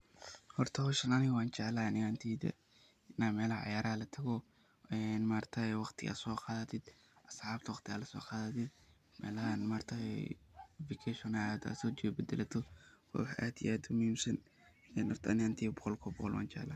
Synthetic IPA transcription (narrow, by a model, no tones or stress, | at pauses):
hɔrt̪ʰɐhɔʃɐnɐnɪwaːnt͡ʃaʕlanɪant̪ʰiːd̪ɐ̰ | namɛːlɐhɐʕɑ̰jaːɾɐɐlɐt̪ʰɐɣɔ | ɛnmaːrt̪ʰɐɛwɑqt̪ʰɪa̰sɔːqɑːðɐt̪ʰɪd̪̥ | ʔɐsʕaːb̚t̪ʰwɑqt̪ʰɪalɐsɔ̰ːqɑːðɐt̪ʰɪd̪ | mɛ̰ːlɐhanmaːrt̪ʰɐɛ̰ | vikʰɛʃɔnad̪a̰sɔːt͡ʃɛbɛd̪ɛlɐt̪ʰɔwɔ̰wħʔad̪ḭʔaːd̪ʊmʊhiːmsɐn | ɛnhɔrt̪ʰɐɐnɪant̪ʰiːbɔqɔlkʰɔbɔqɔlwa̰ːnt͡ʃɛ̰ʕlɐ̰